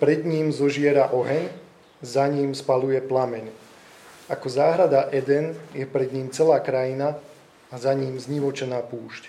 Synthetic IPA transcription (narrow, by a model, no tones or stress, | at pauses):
pɾɛd̪ɲiːmzɔʒɪɛɾaʔɔɦɛɲ | zaɲiːmspalujɛplamɛɲ | akɔzaːɦɾad̪aʔɛd̪ɛnjɛpɾɛd̪ɲiːmt͡sɛlaːkɾajina | azaɲiːmzɲiʋɔt͡ʃɛnaːpuːʃc